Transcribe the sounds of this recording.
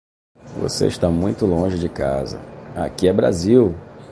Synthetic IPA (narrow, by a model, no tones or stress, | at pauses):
vo̰sḛɪʃt̪amũj̃t̪ʊlõʒɪd͡ʒɪka̰zɐ̰akiɛbɾa̰ziw